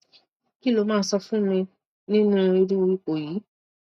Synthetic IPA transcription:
ki˦lo˧˦mãː˦˧˦sɔ˧fũ˦mĩ˧ | nĩ˦nũ˦˧ɾi˧dĩ˦o˧wi˦k͡po˨jiː˨˦

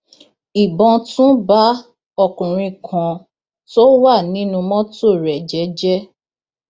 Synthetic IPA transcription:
i˨bɔ̃˧tũ˦ba˦ | ɔ˦˨kũ˨ɾ̃ĩ˧kʰã˧ | to˦wa˦˨nĩ˨˦nũ˧mɔ̃˦to˦˨ɾɛ˨d͡ʒɛ˨˦d͡ʒɛ˦

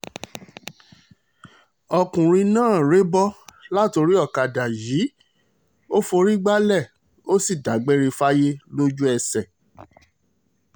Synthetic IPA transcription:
ɔ˧kũ˨ɾ̃ĩ˧nãː˦˨ɾe˨˦bɔ˦la˦to˧ɾi˦ɔ˦˨ka˨da˨jiː˨˦ | o˦fo˧ɾi˦ɡ͡ba˦lɛ˦˨ | o˦si˦˨da˨˦ɡ͡be˦ɾi˧fa˦je˦lo˦d͡ʒu˦ɛ˧sɛ˨

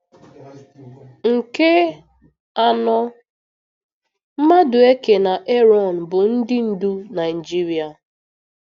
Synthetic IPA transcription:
ŋ̩˨ke˦ | a˨nɔ˦ | m̩˦ma˦dʊ˨e˦ke˨na˨ʔe˦ɾɔ˨n̩˨bʊ˨n̩˦dɪ˦n̩˦du˦na˨i˨d͡ʒi˦ɾi˨a˨

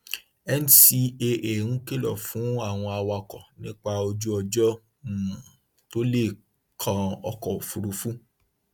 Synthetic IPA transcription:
ɛ˦n̩˨ti˧e˧ʔe˨ñ̩˦ke˦lɔ˨fũ˨˦a˦˨w̃ɔ̃˧a˧wa˧kɔ˨nĩ˦k͡pa˧o˧d͡ʒu˦ɔ˧d͡ʒɔ̃˦˨ | to˦le˦˨ | kʰã˧ɔ˧kɔ˨o˨fu˧ɾu˧fũ˦

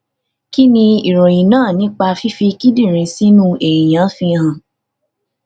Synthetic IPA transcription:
ki˦nĩ˧i˨ɾo˨jĩ˨nãː˦˨nĩ˨˦k͡pa˧fi˦fi˧ki˦di˦˨ɾ̃ĩ˨˧si˦nũ˦e˨i˨jã˨˦fi˧ɦã˨

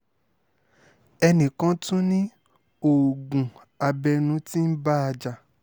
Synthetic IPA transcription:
ɛ˧nĩ˨kã˨˦tũ˦nĩ˦ | o˨ɡũ˨ | a˧bɛ˧nũ˨˦tĩ˦n̩˦ba˦a˧d͡ʒa˨

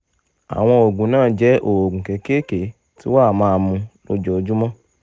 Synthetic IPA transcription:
a̰˨w̃ɔ̃˧o˨ɡũ˨˦nãː˦˨d͡ʒɛ˨˦ʔo˨wo˨ɡũ˨kɛ˨˦ke˦ke˨˦ | tḭ˦wa˦˨mãː˦˧˦mũ˧no̰˧˦d͡ʒɔ˨o˨d͡ʒu˦mɔ̃˦

